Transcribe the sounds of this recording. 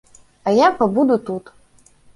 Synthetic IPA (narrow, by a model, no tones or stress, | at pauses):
ɐjapɐbud̪ut̪ut̪